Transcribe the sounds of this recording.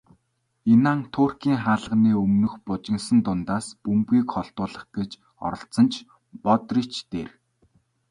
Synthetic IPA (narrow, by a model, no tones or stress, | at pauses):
enaːŋt̪ʰʊːrkiːŋχaːɮə̆ʁniːɵmnɵ̆xpʊt͡ɕɪ̆ŋsə̆nt̪ʊnt̪aːspɵmpɡiːkχɔɮt̪ʊːɮə̆χɡ̥et͡ɕ | ɔ̰ɾɞ̆ɬt͡sə̆nt͡ɕʰ | pɔt̪rit͡ɕt̪eːr